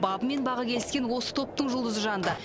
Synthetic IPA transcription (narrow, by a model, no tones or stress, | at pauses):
bɑbəme̞nbɑʁɑkʲʰe̞lɪskʲe̞nwo̞sə̥t̪ʰo̞p̚t̪əɴʒʊlˠd̪əzəʒɑnd̪ə